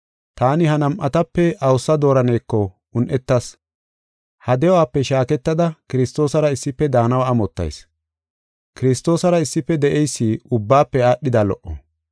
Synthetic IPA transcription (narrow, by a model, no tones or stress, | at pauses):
t̪aːnɪhɐnɐmʔɐt̪ɐpːɛʔɐwsːɐd̪o̞ːɾɐneːkːɔ | ʊnʔɛt̪ːɐs | hɐd̪ɛɔwaːpːɛʃaːkɛt̪ːɐd̪ɐkɪɾɪst̪o̞ːsɐɾɐɪsːɪpːɛd̪aːnɐwaːmɔt̪ːɐ̰js | kɪɾɪst̪o̞ːsɐɾɐɪsːɪpːɛd̪ɛʔɛjsːiːʊbːaːpːɛaːɗɪd̪aːlɔ̰ʔːɔ̰